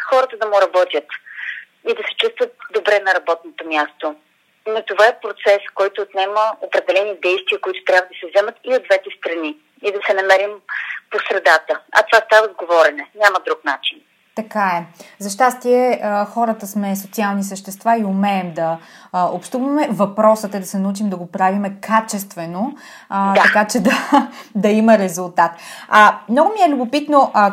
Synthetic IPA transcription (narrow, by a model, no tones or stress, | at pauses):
xɔɾət̪əd̪ɐmʊɾɐbɔt̪ʲjət̪ | id̪ɐsɛ̥t͡ʃust̪vət̪̚d̪obɾɛnɐɾɐbɔt̪̚not̪omʲjast̪o | not̪ovaɛpɾot̪sɛskɔjt̪oːt̪nɛməopɾɛd̪ɛlɛnid̪ɛjst̪viəkoit̪ʊ̥t̪ɾjabvəd̪ɐsɛvzɛmət̪iod̪vɛt̪ɛst̪ɾɐni | id̪ɐsɛnɐmɛɾimposɾɛd̪at̪əɐ̰t̪ovast̪avəzɡovɔɾɛnɛnʲaməd̪ɾuknat͡ʃin | t̪ɐkaɛzɐʃt̪ast̪iɛəxɔɾət̪əsmɛsot̪sialˠnisəʃt̪ɛst̪vaiʊmɛːmd̪ɐopʃt̪uvɐmɛvɐpɾɔsət̪ɛd̪ɐsɛnɐut͡ʃimd̪ɐɡopɾavimɛkat͡ʃɛst̪vɛno | d̪t̪ɐkat͡ʃɛd̪ɐd̪ɐiməɾɛzulˠt̪at̪amnɔɡʊmiɛlʲʊbopit̪noʔ